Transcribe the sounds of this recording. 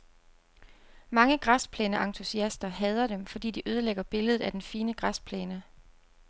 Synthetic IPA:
mɑ̈ŋəɡ̥ʁɑspʰleːnəʔɑ̈ŋt͡sʰusiæsd̥ɐɦɛːð̞ˠɐd̥emfɒ̽d̥ḭːd̥iʔøːð̞ˠəleɡ̥ɐb̥e̝ləð̞̩ˠæd̥enfiːnəɡ̥ʁɑspʰleːnə

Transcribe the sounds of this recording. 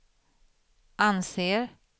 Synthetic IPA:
ʔanseːɾ

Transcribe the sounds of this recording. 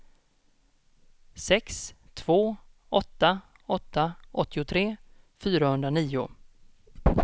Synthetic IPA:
sɛkst̪ʰv̥oː | ɔt̪ːa | ɔt̪ːaʔɔt̪ʰːɪʊt̪ʰɾeː | fyːɾahɵnd̪ɾaniːʊ

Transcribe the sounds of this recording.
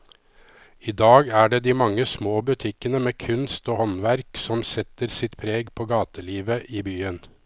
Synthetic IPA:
iːd̪ɑːɡæːɖeːd̪iːmɑŋːəsmoːbʉt̪ʰɪkənəmeːkʰʉnst̪oːhɔnʋæɾksɔmsɛt̪əɾsɪt̪pʰɾeːɡpʰoːɡɑːt̪əliːʋəʔiːbyːən

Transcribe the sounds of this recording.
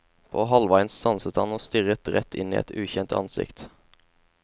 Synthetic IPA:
pʰo̰ːɦɑlʋɑɪnssɑnsət̪hɑnoːst̪ʏʁət̪ʁɛt̪ʰɪ̰niːɛ̰t̪ʉːçɛnt̪ɑ̰nsɪ̰kt̪

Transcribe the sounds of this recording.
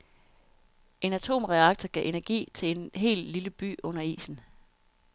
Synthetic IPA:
ʔe̝næt͡sʰo̝̰ːmʁɛɑ̈ɡ̥̚t͡sʰɐɡ̥ɛʔe̝næɐɡ̥ḭːt͡sʰe̝le̝nɦe̝̰ːlliləb̥y̰ːɔ̽n̰ɐḭːsn̩

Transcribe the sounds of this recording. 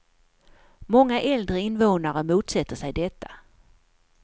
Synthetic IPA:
mɔŋːaʔɛld̪ɾəɪnvoːnaɾəmuːt̪sɛt̪ːəʂɛjd̪ɛt̪ʰːa

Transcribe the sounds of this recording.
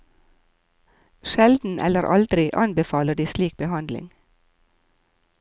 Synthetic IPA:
ʃɛld̪n̩ʔɛ̰ləɾʔɑ̰ld̪ɾɪʔɑ̰nbəfɑːləɖiːsliːk̚bəhɑnd̪lɪ̰ŋ

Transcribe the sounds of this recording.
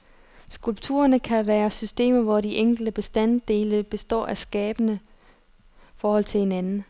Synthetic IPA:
sɡ̥ulb̥t͡sʰṵːɐnəkʰæʋæːɐsysd̥e̝̰ːmɐʋɒdiʔeŋ̰ɡ̥l̩d̥əb̥e̝sd̥æn̰d̥e̝ːləb̥e̝sd̥ɒ̰ːʔæsɡ̥ɛːb̥ənə | fɒːhɒ̽l̰t͡sʰe̝he̝nænn̩

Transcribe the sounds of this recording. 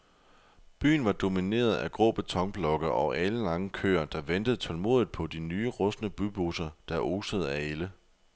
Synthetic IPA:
b̥y̰ːn̩ʋɑ̈d̥o̝mine̝̰ːɐð̞̩ˠæɡ̥ʁɔ̰ːb̥e̝t͡sʰɒ̽ŋ̰b̥lɒ̽ɡ̥ɐʔɒ̽ʔæləlɑ̈ŋəkʰø̰ːɐd̥ɑ̈ʋend̥əð̞̩ˠt͡sʰɒ̽lmo̝̰ːðˠðd̥ˠpʰɒ̽d̥inyːəʁɔ̽snəb̥ub̥osɐd̥ɑʔoːsəð̞ˠæelə

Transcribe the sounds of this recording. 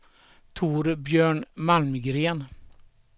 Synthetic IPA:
t̪ʰuːɾbjœːɳmalmɡɾeːn

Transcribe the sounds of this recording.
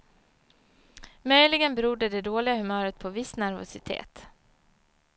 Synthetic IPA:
mœjlɪɡənbɛɾʊd̪ːəd̪ɛd̪oːlɪɡahɵmœːɾət̪̚pʰɔvɪsnæɾvʊ̰sɪt̪ʰḛːt̪

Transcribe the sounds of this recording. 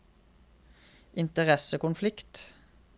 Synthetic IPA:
ʔɪnt̪əʁɛsəkʊnflɪkt̪

